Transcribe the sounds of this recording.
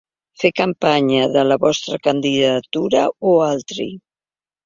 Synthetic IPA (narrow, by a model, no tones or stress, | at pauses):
fekampaɲəðələβɔst̪ɾəkand̪iðət̪uɾəoalˠt̪ɾḭ